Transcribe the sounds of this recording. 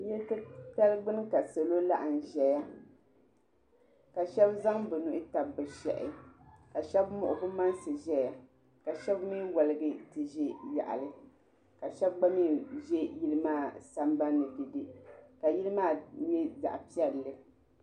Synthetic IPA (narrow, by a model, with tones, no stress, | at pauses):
jɛ˦ltɨ˦pɛ˦lɡ͡bɨ˦n˦ka˨sa˨lo˦la˦ʔɨ˨n̩˨ʒɛ˨ja˦ | ka˨ʃɛ˦bza˦ŋbɨ˨nu˨ʔɪ˦ta˨bbɨ˨ʃɛ̰˨ʔɪ̰˦ka˨ʃɛ˦bmʊ̰˨ʔʊ˨bɨ˦ma˦nsɨ˨ʒɛ˨ja˦ | ka˨ʃɛ˦bmi˦nwɔ˨lɨ˦ɡɨ˦tɨ˨ʒɛ˦ja̰˨ʔa̰˨lɨ˦ | ka˨ʃɛ˦b̚ɡ͡ba˦mi˦ʒɛ˦ji˦lɨ˦maː˦˨sa˦mba˦nːɨ˨dɨ˨dɨ˨ka˨ji˦lɨ˦maː˦jɛ˦za̰˨ʔpi˦ɛ˦lːɨ˦